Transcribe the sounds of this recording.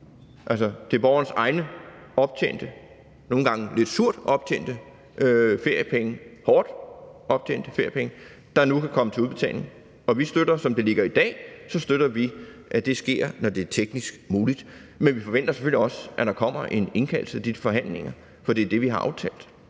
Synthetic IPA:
ʔælsɒd̥e̝ɐb̥ɒːɐnəsɑ̈ɪnə | ɒ̽b̥t͡sʰḛːn̰d̥ə | no̝ːn̩ɡ̥ɑ̈ŋəle̝d̥suɐ̰d̥ɒ̽b̥̚t͡sʰḛːn̰d̥ə | øfe̝ɐ̰jəpʰeŋəhɒːd̥ɒ̽b̥̚t͡sʰḛːn̰d̥əfe̝ɐ̰jəpʰeŋə | d̥ɑ̈nukʰækʰɒ̽mət͡sʰe̝uðˠb̥e̝t͡sʰɛ̰ːl̰ne̝ŋ | ɒ̽ʋisd̥ød̥ɐsɒ̽md̥e̝le̝ɡ̥ɐid̥ɛ̰ːsɒ̽sd̥øɾ̥ɐʋiʔæd̥e̝sɡ̥e̝ɐ̰nɒd̥e̝æɐt͡sʰeɡ̥nisɡ̥muːlid̥menʋifɒ̽ʋen̰d̥ɐse̥føl̰iɒ̽sʔæd̥ɑ̈kʰɒ̽m̰ɐʔe̝ne̝nkʰæːl̩səæd̥iəfɒ̽ɦæn̰le̝ŋ̰ɐ | fɒ̽d̥iæd̥e̝ʋiɦɑ̈ʔɑ̈ʊt͡sʰɛ̰ːld̥

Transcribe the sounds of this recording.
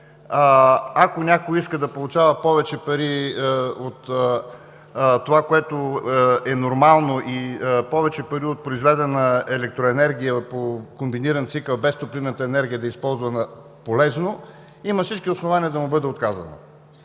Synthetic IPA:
akonʲakoiskəd̪ɐpolˠʊt͡ʃavɐpɔvɛt͡ʃɛpɐɾi | ot̪ | t̪ːovakoɛt̪oɛnoɾmalˠnoʔipɔvɛt͡ʃɛpɐɾiot̪̚pɾoizvɛd̪ɛnəɛlɛk̚t̪ɾoɛnɛɾɡʲijəpokombiniɾənt̪sikəlˠbɛst̪opɾivnət̪əɛnɛɾɡ̟ʲijəd̪ɐispɔlˠzvənɐ | polɛzno | imɐsit͡ʃkiosnovaniəd̪ɐmʊbɤd̪ɛot̪kazɐ̰nɐ̰

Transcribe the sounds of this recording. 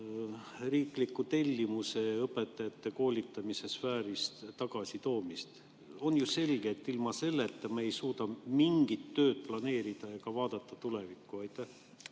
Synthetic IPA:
riːklikːˑut̪e̞lʲːimuse̞ɤpːˑe̞t̪ːˑɑjɑt̪ːe̞ko̞ːlʲit̪ːˑɑmise̞sfæːɾist̪t̪ɑɡ̥ɑsit̪o̞ːmist̪ | o̞njuse̞lɡ̥et̪ːilmɑse̞lːet̪ːˑɑme̞jsuːd̪ɑmiŋɡ̥it̪ːø̞ːt̪̚plɑne̞ːɾid̪̥ɑjɑkɑvɑːd̪̥ɑt̪ːˑɑt̪ule̞vikːˑuɑjt̪ːˑæh

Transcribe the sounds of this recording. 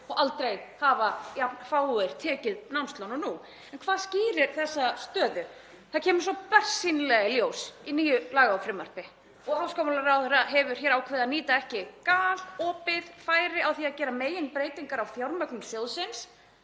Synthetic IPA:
ɔɣʔalt̪ɾejhavajapnfawɪɾ̥t̪ʰɛːcɪðnamst̪lownʏnu | ɛnkʰvaːðsciːɾɪɾ̥θɛsːast̪œːðʏ | θaðcʰɛːmʏɾ̥sɔpɛr̥sinlɛɣɪljoːwsiniːjʏlaːɣaafɾɪːmœr̥pɪ | ɔɣawskɔmalaɾawθɛɾaɦɛvʏɾ̥çjɛːɾawkʰvɛːðaðniːt̪aɛhcɪkaːlɔːpɪðfaːjɾɪawθiaðcɛːɾameːjɪnpɾeːjt̪iŋkaɾawθjawɾmœknʏmθjowðsɪns

